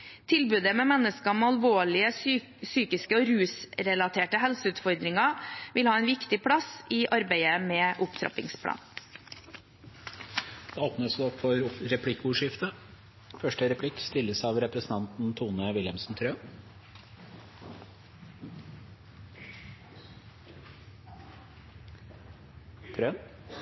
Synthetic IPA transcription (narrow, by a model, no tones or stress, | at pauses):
t̪ʰɪlbʉːd̪əmeːmɛnːəskɑmɛɑlʋoːɭɪə | syːkɪskəɔːɾʉːsɾɛlɑt̪ʰeːʈəhɛlsəʉːt̪fɔɾd̪ɾɪŋɑʋɪlhɑːæɪnʋɪkt̪ɪpʰɽɑsɪʔɑɾbæɪəmɛːʔʊpt̪ʰɾɑ̰pɪ̰ŋspʰɽɑ̰ːn | d̪̥ɛoːpnəsɔpːfɔɾɾɛpʰlɪkːuːʂɪft̪ə | fœʂʈəɾɛpʰlɪkːst̪ɪlːəsɑʋɾɛpɾəsn̩t̪ɑnt̪n̩t̪ʰuːnəʋɪljəmsn̩t̪ʰɾøːn | t̪ʰɾøːn